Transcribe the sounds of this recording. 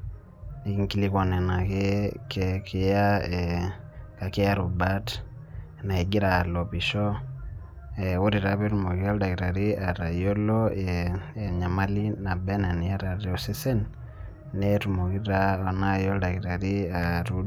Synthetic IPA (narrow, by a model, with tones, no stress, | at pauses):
i˨ki˦ŋki˦li˦kɔ˨nɛ˨na˨kɪ˦kɛ˨kɪ˨ja˦ɛ | ka˨kɪ˦a˦ɾu˨ba˦t | na˨i˨ɡɪ˦ɾa˨lɔ˨pi˨ʃɔ˦ | ɛ˨wo˦ɾi˨ɾa˦βe˦ɾu˦mo˨ki˦a˦lda˨ki˨ɾa˨ɾi˦a˨ɾa˨jo˦lɔ˦e˨ɲa˨ma˦li˦na˨bɛ˦na˨n˨a˦ɾa˨ɾɔ˨se˦sɛ˦nː | ɛ˦ɾu˨mo˨ki˦ɾa˦o˨na˦jɔ˦lda˨ki˨ɾa˨ɾi˦a˨ɾu˦